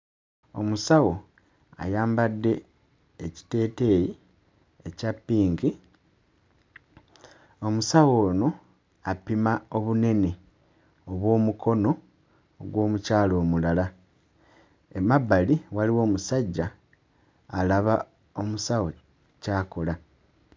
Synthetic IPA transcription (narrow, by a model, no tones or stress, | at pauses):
o̞̰musawo̞ | a̰jaːmbadːe̞ | eci̥te̞ːte̞ji | ecapːiːŋki | o̞musawo̞ːno̞ | apimao̞βune̞ne̞ | oβwo̞ːmukʰo̞no̞ː | ɡwo̞ːmucaːlo̞ːmulala | emabːaliwaliwo̞ːmusaɟːaː | laβa | o̞musawo̞ | caːko̞la